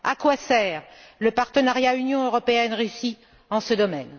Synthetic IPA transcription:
akwasɛːʁləpaʁt̪ənaʁjaynjɔ̃øʁɔpeɛnʁeysi | ɑ̃səd̪ɔmɛ̰n

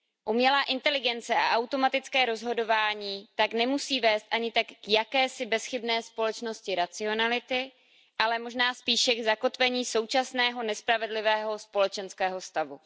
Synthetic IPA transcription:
ʔumɲɛlaːʔɪnt̪ɛlɪɡɛnt͡sɛʔa̰ʔawt̪o̞mat̪ɪt͡skɛːɾo̞zɦo̞do̞vaːɲiːt̪aknɛmusiːvɛːst̪ʔaɲɪt̪akːjakɛːsɪbɛsxɪbnɛːspo̞lɛt͡ʃno̞scɪɾat͡sɪo̞nalɪt̪ɪ | ʔalɛmo̞ʒnaːspiːʃɛɡzako̞t̪vɛɲiːso̞wt͡ʃasnɛːɦo̞nɛspɾavɛdlɪvɛːɦo̞spo̞lɛt͡ʃɛnskɛːɦo̞st̪avu

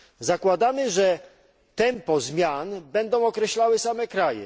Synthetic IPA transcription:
zakwad̪amɘʐɛ | t̪ɛmpɔzmʲjanbɛnd̪ɔ̃w̃ɔkɾɛɕlawɘsamɛkɾajɛ̰

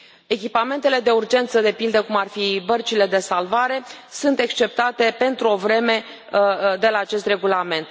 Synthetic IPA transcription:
e̞kʲipame̞nt̪e̞le̞d̪e̞urd͡ʒe̞nt̪səd̪e̞pild̪əkumarfibərt͡ʃile̞d̪e̞salvaɾe̞sunt̪e̞kst͡ʃe̞p̚t̪at̪e̞pe̞nt̪ɾuo̞vɾe̞me̞ | d̪e̞laːt͡ʃe̞st̪re̞ɡulame̞nt̪

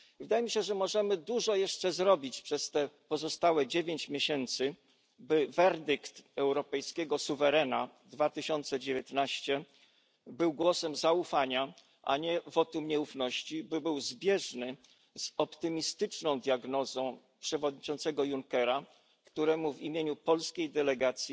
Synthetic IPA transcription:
vɘd̪ajɛmʲiɕɛʐɛmɔʐɛmɘd̪uʐɔjɛʂt͡ʂɛzɾɔbʲit͡ɕpʂɛst̪ɛpɔzɔst̪awɛd͡ʑevʲjeɲt͡ɕmʲeɕɛnt̪sɘ | bɘvɛɾd̪ɘkt̪ɛwɾɔpɛjskʲɛɡɔsuvɛɾɛnad̪vat̪ɘɕɔnt̪sɛd͡ʑevʲjeɛt̪naɕt͡ɕɛ | bɘwɡwɔsɛmzaufaɲa | ʔa̰ɲɛvɔt̪umɲɛufnɔɕt͡ɕibɘbɘwzbʲjɛʐnɘ | z̥ɔpt̪ɘmʲist̪ɘt͡ʂnɔ̃w̃d̪ʲjaɡnɔzɔ̃w̃ | pʂɛvɔd̪ɲit͡ʂɔnt̪sɛɡɔjuŋkɛɾa | kt̪uɾɛmuvimʲjeɲupɔlskʲejd̪ɛlɛɡat̪sʲji

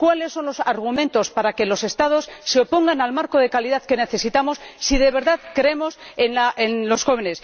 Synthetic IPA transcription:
kwale̞sːo̞nlo̞saɾɣ̞umẽ̞nt̪o̞spaɾake̞lo̞se̞st̪að̞o̞sːe̞o̞po̞ŋɡanalmaɾko̞ðe̞kaliðaðke̞ne̞θe̞sit̪amo̞sːiðe̞βe̞ɾðaðkɾeemo̞senlaʔenlo̞sxo̞β̞e̞ne̞s

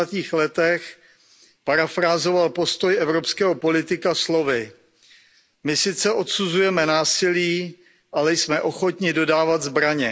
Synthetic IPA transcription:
at̪iːxlɛt̪ɛx | paɾafɾaːzo̞valpo̞st̪ojʔɛvɾopskɛːɦopo̞lɪt̪ɪkaslo̞vɪ | mɪsɪt̪t͡sɛʔo̞t̪suzujɛmɛnaːsɪliː | ʔalɛjsmɛʔo̞xo̞t̪ɲɪdo̞daːvad̪zbɾaɲɛ

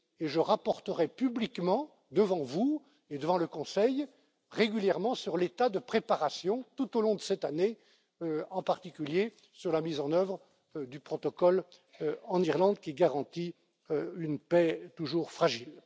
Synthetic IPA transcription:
eʒəʁapɔʁt̪əʁɛpyblikmɑ̃ | d̪əvɑ̃vu | ed̪əvɑ̃ləkɔ̃sɛj | ʁeɡʲyljɛʁmɑ̃syʁlet̪ad̪əpχepaʁasjɔ̃t̪ut̪olɔ̃d̪əsɛt̪ane | øɑ̃paʁt̪ikʲylje | syʁlamizɑ̃nœvʁ | d̪ypχɔt̪ɔkɔl | ɑ̃niʁlɑ̃d̪̚kʲiɡaʁɑ̃t̪i | øynpɛt̪uʒuːʁfχaʒil

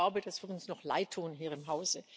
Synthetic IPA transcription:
aʊbəd̥asv̥ɪɐtʊnsnɔχla̰ɪtʰːuːnɦiːɐɪmɦaʊz̥ə

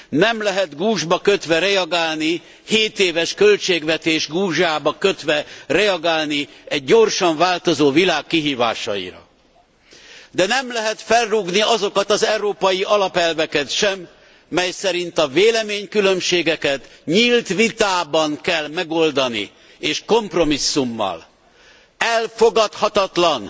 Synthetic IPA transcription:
nɛmlɛɦɛt̪ɡuːʒbɒkøt̪ʋɛɾɛɒɡaːlni | heːt̪eːvɛʃkølt͡ʃeːɡʋɛt̪eːʒɡuːʒaːbɒkøt̪ʋɛrɛɒɡaːlniɛɟːo̞rʃɒɱvaːlt̪o̞zoːvilaːkːiɦiːva̰ːʃɒ̰jḭɾɒ̰ | d̪ɛnɛmlɛɦɛt̪fɛlruɡniɒzo̞kɒt̪ɒzɛuɾoːpɒjiʔɒlɒpɛlvɛkɛt̪ʃɛmː | ɛjsɛɾint̪ɒveːlɛmeːɲkylø̞mʃeːɡɛkɛt̪ɲiːlt̪ʋit̪aːbɒŋkɛlmɛɡo̞ld̪ɒnḭ | eːʃko̞mpro̞misːumːɒ̰l | ɛlfoɡɒt̪hɒt̪ɒt̪lɒn

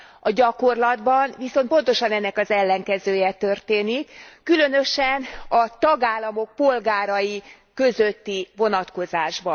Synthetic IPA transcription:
ɒɟɒko̞rlɒd̪bɒnviso̞n̚po̞nt̪o̞ʃɒnɛnːɛkɒzɛlːɛŋkɛzøːjɛt̪ørt̪eːnikːylønø̞ʃɛnɒt̪ɒɡaːlːɒmo̞k̚po̞lɡaːɾɒji | kø̞zø̞t̪ːivo̞nɒt̪ko̞zaːʒbɒ

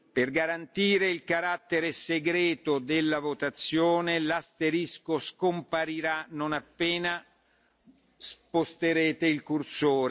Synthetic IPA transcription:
perɡaɾant̪iːɾeilkaɾat̪ːeɾeseɡɾɛːt̪od̪elːavot̪at̪sːjoːnelast̪eɾiskoskompaɾiɾanonapːeːna | spost̪eɾeːt̪eilkursoːɾe

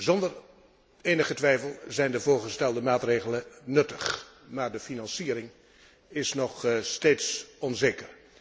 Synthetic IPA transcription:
zɔndər | eːnəχətʋɛjfəlˠzɛjndəvʊːɹχəstɛlˠdəmaːtreːɣələnɵtəχ | maːɹdəfinɑnsiːəɾɪŋ | ɪsnɔχsteːtsɔnzeːkər

